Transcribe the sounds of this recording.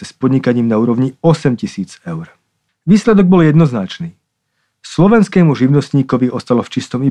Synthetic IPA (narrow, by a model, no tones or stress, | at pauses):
ɛspɔd̪ɲikaɲiːmnauːɾɔʋɲiɔsɛmcisiːd͡zɛʊɾ | ʋiːslɛd̪ɔɡ̚bɔljɛd̪nɔznat͡ʃniː | slɔʋɛnskɛːmuʒiʊnɔst̪ɲiːkɔʋiɔst̪alɔft͡ʃist̪ɔmi